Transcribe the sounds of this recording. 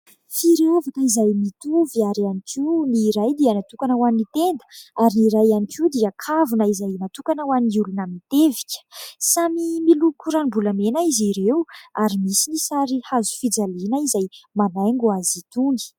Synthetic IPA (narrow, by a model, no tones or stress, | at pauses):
fiɾeovat̪aizajmit̪uviaɾianikʰiniɾajd̪iənat̪ukanəwanit̪end̪əaɾiniɾajanikʰid̪iakʰavunəizajnat̪ukanəwaniulunəmit̪evi̥kʲə̥samimilukuɾanibulamenaiziɾewaɾimisinisaɾihazu̥fid͡zalinəizajmanajŋɡuazit̪uŋi̥